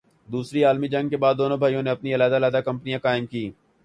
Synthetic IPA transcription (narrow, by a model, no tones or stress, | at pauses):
d̪uːsɾiaːlmid͡ʒɐ̃ŋɡ̚kebaːd̪ːoːnõbʱaːijõneɐpniɪlaːd̪aːlaːd̪akɐ̃mpnijãkaːɪmkiː